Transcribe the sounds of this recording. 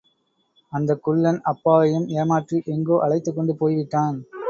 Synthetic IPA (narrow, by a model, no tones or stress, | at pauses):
ɐnd̪ɐkːʊɭːɐnɐpːaːʋɐjɯmeːmaːʈriʔɛŋɡoːʔɐɭɐɪt̪ːɯkːɔɳɖɯpoːjʋɪʈːaːn